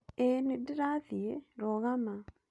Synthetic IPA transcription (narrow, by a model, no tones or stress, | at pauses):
enidiɾaðieɾoɣama